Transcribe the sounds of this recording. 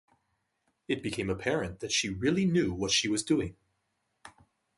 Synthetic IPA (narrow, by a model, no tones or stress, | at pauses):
ɨt̚b̥ɨkʰẽɪ̃məpʰɛɹɨ̃nðɨtʃiɹɪlˠinjʉwʌtʃiwʌzdʉɪ̃ŋ